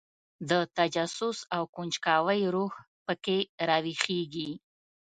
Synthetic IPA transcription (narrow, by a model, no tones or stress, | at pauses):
d̪ət̪ad͡ʒasʊsawkunt͡ʃkɑwəjɾuh | pəkeɾɑwixeɡi